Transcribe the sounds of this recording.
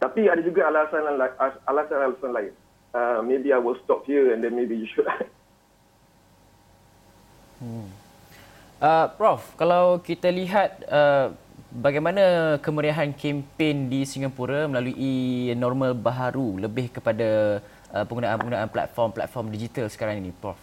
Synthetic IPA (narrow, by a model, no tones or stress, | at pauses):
t̪apiadad͡ʒuɡaalasananlaaalasãnalasãnlaɪn | əmebiajwɪlstɔp̚hiəɛ̃ndɛnmebijuʃula | ʔəpɾɔfkalawkit̪aliɦat̪̚ə | baɡajmãnakəməɾiaɦankɛmpendisiŋapuɾamə̃laluʔinɔrmãlbaɦaɾuləbɪhkəpada | əpəŋɡunaʔanpəŋɡunaanpla̰t̪̚fɔrmpla̰t̪̚fɔrmdid͡ʒit̪alsə̥kaɾaŋinipɾɔf